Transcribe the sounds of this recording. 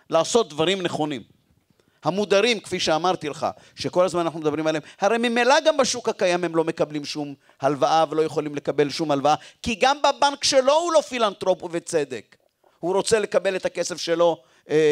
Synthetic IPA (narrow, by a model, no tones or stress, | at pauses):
laːso̞t̪̚d̪vaʁimneχo̞nim | hamud̪aʁimkfiʃeamaʁt̪ileχa̰ | ʃeko̞lazmananaχnumed̪abʁimaleemhaʁejmimelaɡambaʃukhakajamhemlo̞me̞kablimʃum | halvaʔavelo̞jeχolimle̞kabe̞lʃumhalvaakiɡambabaŋkʃe̞lo̞hulofilant̪ʁo̞pvet͡se̞d̪ek | huʁo̞t͡sele̞kabe̞let̪ake̞se̞fʃe̞lo̞ | e